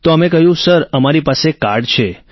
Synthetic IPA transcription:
t̪oəmẽkəɦjũsəɾəmaɾipasekaɾɽt͡ʃʰe

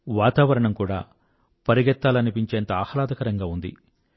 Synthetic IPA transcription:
ʋaːt̪aːʋɐɾɐɳɐmkuːɽa̰ː | pɐɾiɡɛt̪ːaːluɐnipiɲt͡ʃeːnt̪ɐaːhɾaːd̪ɐkɐɾɐŋɡaːund̪ḭ

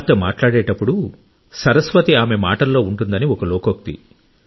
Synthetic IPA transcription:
t̪ːɐmaːʈlaːɽɛːʈɐpːuɽu | sɐɾɐsʋɐt̪iaːme̞maːʈɐlːo̞ːuɳʈund̪ɐniɔkɐlɔːkok̚t̪ḭ

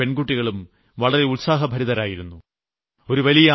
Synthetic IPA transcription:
pe̞nɡuʈːiɣɐɭum | ʋɐɭɐɾe̞ulsaːɦɐbʱɐɾiðɐɾaːjiɾunːu | o̞ɾuʋɐlijɐ

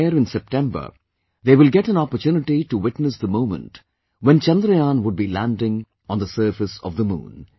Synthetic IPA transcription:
ɾɪ̃nsɛp̚ʈɛ̃mbə̰ɾ | ðeːʋɪlɡɛʈæ̃nɔpəɾtjuːnɪʈiʈuwɪʈnəsd̪əmõʊ̃mə̰̃nʈ | ʋɛ̃nt͡ʃɛ̃nd̪ɾijãːnʋʊɖ̚bilæ̃nɖɪ̃ŋ | ɔ̃nd̪əsəːfɨsɔ̰vd̪əmṵ̃ːn

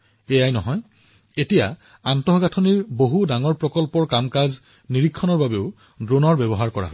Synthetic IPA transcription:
ejajnɔɦɔj | etija̰ | antɔɦɔɡatʰɔniɹboɦudaŋɔɹpɹɔkɔlpɔɹkamkaz | niɹikʰːɔnɔɹbabeʊ | dɹonɔɹbɛbɔɦaɹkɔɹa̰ɦo

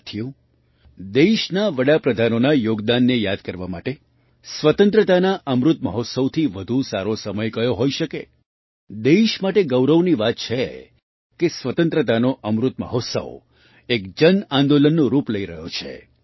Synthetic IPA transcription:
t̪ʰjũ | d̪eʃnaʋəɽapɾəd̪ʱanonajoɡd̪anːejad̪kəɾʋama̰ʈe | sʋət̪ə̃nt̪ɾət̪anaʔəmɾut̪̚mə̰ɦɔt̪səʋt̪ʰiʋəd̪ʱusaɾosəməjkəjoɦoiʃəke | d̪eʃmaʈeɡəwɾəʋniʋat̪̚t͡ʃʰe | kesʋət̪ə̃nt̪ɾət̪anoʔəmɾut̪̚mə̰ɦɔt̪sə̰ʋ | ekd͡ʒənãnd̪olənːũɾupləiɾəɦjot͡ʃʰḛ

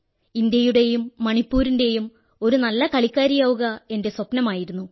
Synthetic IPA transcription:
ind̪jɐjuɽe̞jumːɐɳipːuːɾinde̞jum | o̞ɾunɐlːɐkɐɭikʲːaːɾijaːʋuɣɐe̞nde̞swɐpnɐmaːjiɾunːu

